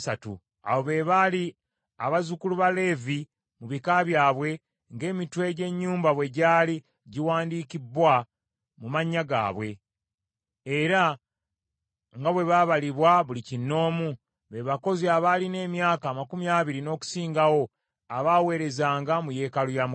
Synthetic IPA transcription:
satṵ | a̰wo̞βeβali | aβazukuluβale̞vi | muβikaβjaːβwe̞ | ŋɡe̞ːmitwe̞ɟe̞ɲːuːmbaβwe̞ɟaːli | ɟiwaːndikibwa | mumaɲːaɡa̰ːβwe̞ | ɾa | ŋɡaβwe̞βaβaliβwaβulicinːo̞ːmu | βeβako̞ziaβaline̞ːmjaːkaːmakumiaːβiɾino̞ːku̥siːŋɡawo̞ | aβawe̞ːɾe̞zaːŋɡamuje̞ːkalujam

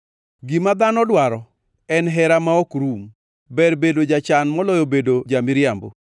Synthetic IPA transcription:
ɡimad̪anɔdwaɾɔ | ɛnɦɛɾamaɔkɾum | bɛrbedod͡ʒat͡ʃanmɔlɔjobedod͡ʒamɪɾjambo̰

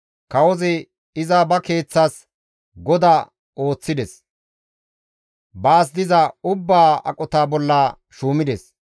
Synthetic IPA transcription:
kɐwɔzɪ | ɪzɐbɐke̞ːt͡sːas | ɡɔd̪aː | o̞ːt͡sːɪd̪ɛs | baːs̬d̪ɪzɐʊbːaːɐ̰kʼɔt̪aːbɔlːaː | ʃuːmɪd̪ɛs

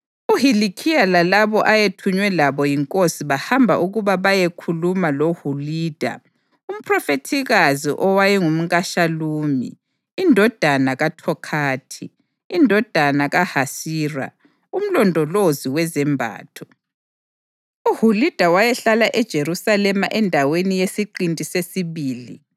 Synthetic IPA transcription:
uhilikʰialalaβɔʔajetʰuɲwɛlaβɔjiŋkʼosiβahambʱa̰ʔuɣuβaβajekʰulumalohuliːd̥ʱa̰ | um̩pʰrɔfetʰiɣazḭʔɔwajiŋum̩ɣaʃaluːmḭː | ndʱɔd̥ʱanaɣatʰɔkʰaːtʰiː | ndʱɔd̥ʱanaɣahasiːra̰ | um̩lɔndʱɔloziwɛzɛmbʱa̰ːtʰɔ | uhulid̥ʱawajɛɬalaʔɛd̥ʒ̥ʱeɾusalɛmaʔɛndʱawenijesiǃintʼisesiβiːli

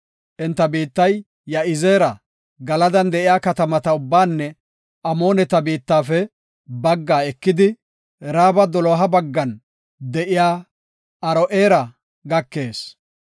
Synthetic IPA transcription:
ʔɛnt̪ːɐbiːt̪ːɐjː | ɐʔɪze̞ːɾɐ | ɡɐlɐd̪ɐnd̪ɛʔɪjaːkɐt̪ɐmɐt̪ɐʊbːaːnːɛ | ʔɐmo̞ːnɛt̪ɐbiːt̪ːaːfɛ | bɐɡːaːɛkːɪd̪ɪ | ɾaːbɐd̪ɔlɔɦɐbɐɡːɐn | d̪ɛʔɪjaː | ɐɾɔʔeːɾɐ | ɡɐkːe̞ːs

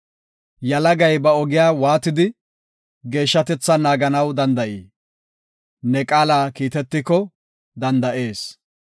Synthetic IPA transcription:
jɐlɐɡɐjbɐɔɡɪjaːwaːt̪ɪd̪ɪ | ɡe̞ːʃːɐt̪ɛt͡sːɐnaːɡɐnɐwd̪ɐnd̪ɐʔiː | nɛkʼaːlaːkiːt̪ɛt̪ːɪkːɔ | d̪ɐnd̪ɐʔe̞ːs

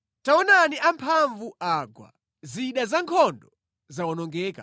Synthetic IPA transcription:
tawɔnaniʔampʰaɱvuʔaɡwa̰ | ziɗazaŋkʰɔndɔ | zawɔnɔŋɡɛːka

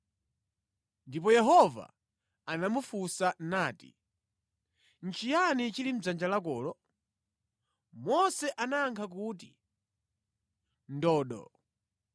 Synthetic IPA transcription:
ndip̬ɔjɛɦɔva̰ | anamufusanaːtḭ | n̩t͡ʃijanit͡ʃilim̩d͡zand͡ʒalak̬ɔːlɔ | mɔsɛʔanaːŋkʰak̬uːt̬i | ndɔːɗɔ̰

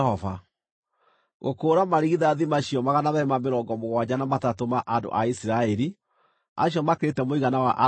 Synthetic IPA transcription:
ɔva | ɣo̰koːɾamaɾiɣiðaːðimaɕiɔmaɣanaβɛmameɾɔːŋɡɔmoɣwad͡ʑanamatatomaʔando̰ʔaisiɾaɛɾi | a̰ɕiɔmakeɾetɛmoiɣanawaʔa

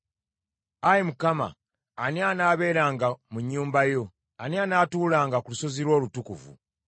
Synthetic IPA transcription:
ajemukama̰ː | nianaːβe̞ːɾaːŋɡamuɲːuːmbajo̞ | anianaːtuːlaːŋɡakuluso̞ziɾwo̞ːlutukṵvṵ

